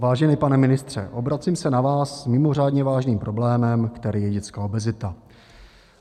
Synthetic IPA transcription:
vaːʒɛnɪpanɛmɪnɪst̪r̝̥ɛ̰ʔo̞bɾat͡siːmsɛnavaːsmɪmo̞r̝aːdɲɛvaːʒniːmpɾo̞blɛːmɛmkt̪ɛɾiːjɛɟɛt͡skaobɛzɪt̪a

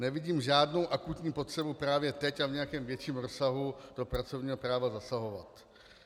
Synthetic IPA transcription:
nɛvɪɟiːmʒaːdno̞wʔakut̪ɲiːpo̞t̪r̥ɛbupɾaːvjɛt̪ɛcavɲɛjakɛːmvjɛt͡ʃiːmɾo̞saɦud̥o̞pɾat͡so̞vɲiːɦo̞pɾaːvazasaɦo̞vat̪

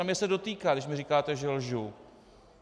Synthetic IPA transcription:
amɲɛsɛdo̞t̪iːkaːɡdɪʃ̬mɪrikaːt̪ɛʒɛlʒu

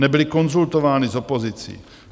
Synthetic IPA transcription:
nɛbɪlɪko̞nzult̪ovaːnizopozɪt͡sḭː

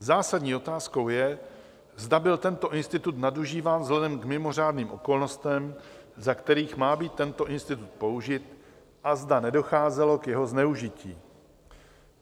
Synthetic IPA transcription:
zaːsadɲiːo̞t̪aːsko̞wjɛ | zdabɪlt̪ɛnt̪o̞ʔɪnst̪ɪt̪ut̪naduʒiːvaːnzlɛdɛmkmɪmo̞r̝aːdniːmʔo̞ko̞lno̞st̪ɛmzakt̪ɛɾiːxmaːbiːt̪ːɛnt̪o̞ʔɪnst̪ɪt̪ut̪̚po̞uʒɪt̪ | ʔazdanɛdo̞xaːzɛlo̞kjɛɦo̞znɛuʒɪciː

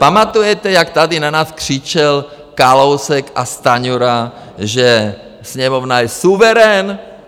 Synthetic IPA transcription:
pamat̪ujɛt̪ɛjak̚t̪adinanaːskr̝̥it͡ʃɛl | kalowsɛka̰st̪aɲuɾa | ʒɛ | sɲɛmovnajɛsuvɛɾɛn

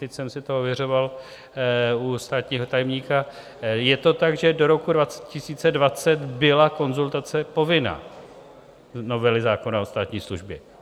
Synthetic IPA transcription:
t̪ɛcsɛmsɪt̪oovjɛr̝o̞val | ust̪aːt̪ɲiːɦo̞t̪ajɛmɲiːka | jɛt̪o̞t̪aɡʒɛdo̞ɾo̞kudvat͡sɛcɪsiːt͡sɛdvat͡sɛt̪bɪlako̞nzult̪at͡sɛpo̞vɪna̰ː | no̞vɛlɪzaːko̞nao̞st̪aːt̪ɲiːsluʒbjɛ

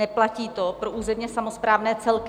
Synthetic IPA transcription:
ɛplaciːt̪o̞pɾoʔuːzɛmɲɛsamo̞spɾaːvnɛːt͡sɛlk

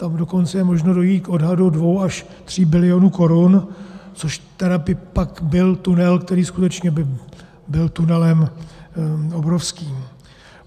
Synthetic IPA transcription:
t̪amdo̞ko̞nt͡sɛjɛmoʒnodo̞jiːt̪kʔo̞dɦadudvo̞wʔaʃ | t̪r̝̥iːbɪlɪjonuko̞ɾunt͡so̞ʃt̪ɛɾapɪpakbɪlt̪unɛlkt̪ɛɾiːskut̪ɛt͡ʃɲɛbɪ | bɪlt̪unɛlɛm | obɾofskiːm

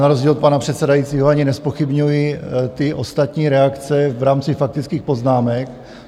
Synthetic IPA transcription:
naɾo̞zɟiːlt̪panapr̝̥ɛt̪sɛdajitt͡siːɦoaɲɪnɛspo̞xɪbɲujɪt̪ɪʔo̞st̪at̪ɲiːɾɛakt͡sɛvɾaːmt͡sɪfak̚t̪ɪt͡skiːxpo̞znaːmɛk

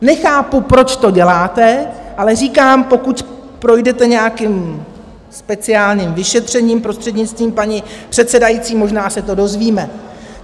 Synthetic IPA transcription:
nɛxaːpupɾo̞t͡ʃt̪o̞ɟɛlaːt̪ɛʔalɛr̝iːkaːmpo̞kucpɾo̞jdɛt̪ɛɲɛjakɪm | spɛt͡sɪaːlɲimvɪʃɛt̪r̝̥ɛɲiːmpɾo̞st̪r̥ɛdɲɪt͡st̪viːmpaɲɪpr̝̥ɛt̪sɛdajit͡siːmo̞ʒnaːsɛt̪o̞do̞zviːmɛ

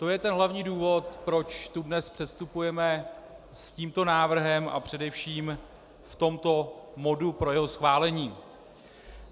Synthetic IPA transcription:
t̪o̞jɛt̪ɛnɦlavɲiːduːvo̞t̪pɾo̞t͡ʃt̪udnɛspr̝̥ɛst̪upujɛmɛ | sciːmt̪o̞naːvr̩ɦɛmʔa̰pr̝̥ɛdɛfʃiːm | ft̪o̞mt̪o̞mo̞dupɾo̞jɛɦo̞sxvaːlɛɲiː

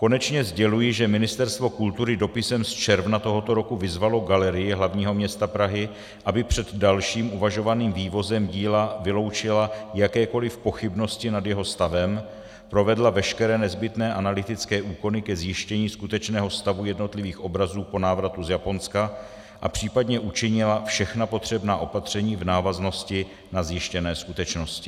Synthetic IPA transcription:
ko̞nɛt͡ʃɲɛzɟɛlujɪʒɛmɪnɪst̪ɛɾst̪vo̞kult̪uɾɪdo̞pɪsɛmst͡ʃɛɾvnat̪o̞ɦo̞t̪o̞ɾo̞kuvɪzvalo̞ɡalɛɾɪjɪɦlavɲiːɦo̞mɲɛst̪apɾaɦɪ | ʔabɪpr̝̥ɛd̪dalʃiːmʔuvaʒo̞vaniːmviːvo̞zɛmɟiːlavɪlo̞wt͡ʃɪlajakɛːko̞lɪfpo̞xɪbno̞scɪnadjɛɦo̞st̪avɛm | pɾo̞vɛdlavɛʃkɛɾɛːnɛzbɪt̪nɛːʔanalɪt̪ɪt͡skɛːʔuːko̞nɪkɛzjɪʃcɛɲiːskut̪ɛt͡ʃnɛːɦo̞st̪avujɛdno̞t̪lɪviːxʔo̞bɾazuːpo̞naːvɾat̪uzjapo̞nska | ʔa̰pr̝̥iːpadɲɛʔut͡ʃɪɲɪlafʃɛxnapo̞t̪r̝̥ɛbnaːʔo̞pat̪r̝̥ɛɲiːvnaːvazno̞scɪ | nazjɪʃcɛnɛːskut̪ɛt͡ʃno̞scɪ̥

